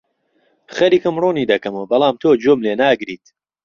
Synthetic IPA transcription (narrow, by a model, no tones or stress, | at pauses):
xɐɾiːkɨmroːniːd̪ɐkɐmobɐlˠaːmt̪ʰoːd͡ʒoːmleːnaːɡɾiːt̪